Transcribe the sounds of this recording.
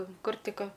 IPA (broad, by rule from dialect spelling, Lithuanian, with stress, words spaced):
ˈkʊr ˈtʲɪk ˈkɐ